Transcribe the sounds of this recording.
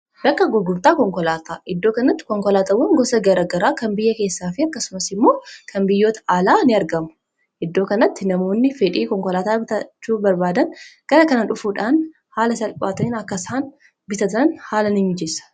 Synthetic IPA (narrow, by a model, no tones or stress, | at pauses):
bɐkːɐɡʊɡʊɾt̪aːkɔŋkɔlaːt̪aːʔɪd̪ːo̞ːkɐnɐt̪ːɪ̥kɔŋkɔlaːt̪ɐwɐŋɡɔsɐɡɐɾɐɡɐɾaːkɐmbɪjːɐke̞ːsːaːfɪɐkːɐsʊmɐsɪmːo̞ːkʰɐmbɪjːo̞ːt̪ɐ̥ʔaːlaːnɪɐɾɡɐmʊ̥ | ʔɪd̪ːo̞ːkɐnɐt̪ːɪnɐmo̞ːnːɪfɛᶑiːkɔŋkɔlaːt̪aːbɪt̪ɐt͡ʃːuːbɐɾbaːd̪ɐnɡ̥ɐɾɐkɐnɐᶑʊfuːᶑaːn | haːlɐsɐlpʼaːt̪ɐɪnɐkːɐsaːn | bɪt̪ɐt̪ɐnhaːlɐnɪɲːd͡ʒesɐ̥